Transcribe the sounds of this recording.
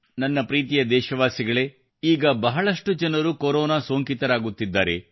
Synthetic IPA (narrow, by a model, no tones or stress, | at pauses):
nɐnːɐpɾiːt̪̬ijɐd̪ɛːʃɐʋaːsiɡɐɭe̞ | iːɡɐbɐɦɐɭɐʂʈud͡ʒɐnɐɾukoɾɔːnaːsoːŋkit̪ɐɾaːɡut̪ːid̪ːa̰ːɾe̞̰